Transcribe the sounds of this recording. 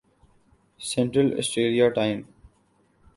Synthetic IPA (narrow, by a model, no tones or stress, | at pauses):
sɛ̃ɳʈɾəlḛsʈɾeːɾiaʈãɪ̃m